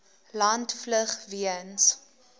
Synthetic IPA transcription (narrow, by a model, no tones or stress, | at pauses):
lɐntfləχviəns